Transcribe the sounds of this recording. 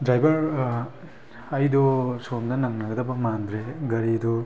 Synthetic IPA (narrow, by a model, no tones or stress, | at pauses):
dɾajbɐɾ | ɐjdɔsomnɐnɐŋnɐɡɐdɐbɐmandɾeɡɐɾidɔ